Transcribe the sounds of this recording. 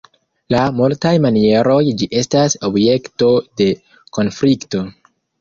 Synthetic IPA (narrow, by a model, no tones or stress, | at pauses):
lamultajmanie̞ɾo̞jd͡ʒiʔe̞staso̞bje̞kto̞de̞ | ko̞nflikto̞